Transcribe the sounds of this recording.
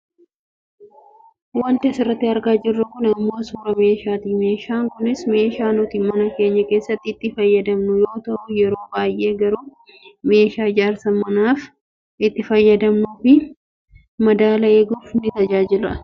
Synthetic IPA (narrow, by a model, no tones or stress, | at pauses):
wɐnt̪ɪɐsɪrːɐt̪ːɪɐɾɡaːd͡ʒɪrːɐkʊnɐmːo̞ːsuːɾɐme̞ːʃaːt̪iːme̞ːʃaːŋkʊnɪsme̞ːʃaːnʊt̪iːmɐnɐke̞ːɲːɐke̞ːsːɐt̪ːɪːt̪ːɪfɐjːɐd̪ɐmnʊjo̞ːt̪ɐʔʊjɛɾo̞ːbaːjʔe̞ːɡɐɾuː | me̞ːʃaːɪd͡ʒaːɾsɐmɐnaːf | ɪt̪ːɪfɐjːɐd̪ɐmnuːfɪ | mɐd̪aːlɐeːɡuːfnɪt̪ɐd͡ʒaːd͡ʒɪlɐɐ